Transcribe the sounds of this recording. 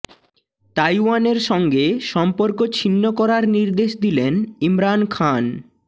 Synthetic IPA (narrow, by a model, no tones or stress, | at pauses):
t̪ajwaneɾʃɔŋɡeʃɔmpoɾkot͡ɕʰinːokɔɾaɾniɾd̪eʃd̪ilenimɾankʰan